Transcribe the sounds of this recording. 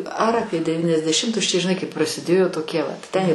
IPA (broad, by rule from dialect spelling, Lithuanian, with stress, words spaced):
ɐr ˈɑːpʲiɛ dʲɛʋʲiːnʲɛzʲdʲɛˈʃʲɪmtʊs t͡ʃʲɛ ʒʲɪˈnɐɪ kɐɪ prɐsʲɪˈdʲeːjoː toːˈkʲiɛ ʋɐt tʲɛn